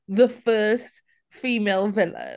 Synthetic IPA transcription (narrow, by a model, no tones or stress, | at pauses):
ðəfɜːst | fiːmeɪlˠvɪlə̰